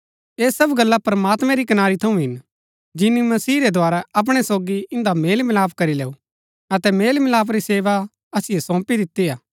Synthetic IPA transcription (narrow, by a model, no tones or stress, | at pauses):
eːsɐbɡɐlːapɾɐmaːt̪mɛ̃ɾikɐnaːɾit̪ʰɐũɦɪn | d͡ʒɪnːimɐsiːɾed̪ʱaːɾaɐp̬ɽ̃ɛsoːɡiɪ̃nd̪ameːlmɪlaːpʰkɐɾileːu | ɐt̪ɛmeːlmɪlaːpʰɾiseːʋa | ɐsɪjesɔ̃ːpid̪ɪt̪ːijaː